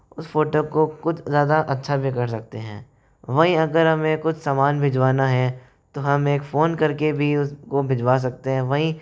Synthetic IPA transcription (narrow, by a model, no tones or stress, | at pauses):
ʊsfoːʈoːkokʊt͡ʃʰzjaːd̪aʔɐtːʃʰabʱikɐɾsɐk̚t̪eɦɛ̰̃ː | ʋɐɦĩɐɡəɾɦɐmẽkʊt͡ʃʰsaːmaːnbʱɪd͡ʒʋaːnaɦɛ̃ː | t̪oɦɐmeːkfoːnkɐɾkebʱiʊskobʱɪd͡ʒʋaːs̬ɐk̚t̪eɦɛ̃ʋɐɦĩ